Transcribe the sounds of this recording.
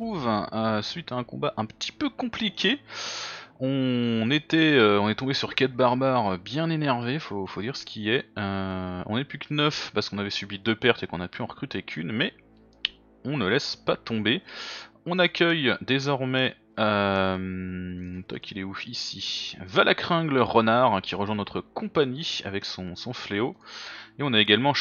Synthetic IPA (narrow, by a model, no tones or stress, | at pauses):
χuvəsɥit̪aɛ̃kɔ̰̃baʔɛ̃pə̥t̪ʰi̥pøkɔ̃plikʲe | ɔ̃net̪ɛøɔ̃nɛt̪ɔ̃besyʁkʲad̪̚baʁbaʁøbjɛ̃nenɛʁvefofod̪iʁsə̥kʲʰiɛøɔ̃nɛpykənœfpaʁsəkɔ̃navɛsɥibid̪øpɛʁt̪ekɔ̃napyɑ̃ʁəkχyt̪ekʲʰynmɛ | ɔ̃nəlɛspat̪ɔ̃beɔ̃nakʲœjd̪ezɔʁmɛ | øm | t̪wa̰kʲʰilɛufisivalʔakχɛ̃ɡləʁɔnaʁɛ̃kʲiʁəʒwɛ̃nɔt̪χəkʰɔ̃paɲia̰vɛksɔ̃sɔ̃fleoeɔ̃naeɡalmɑ̃